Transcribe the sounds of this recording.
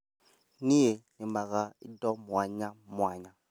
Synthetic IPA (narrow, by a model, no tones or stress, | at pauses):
nijenɪmaɣaḭdɔmwaɲamwaːɲa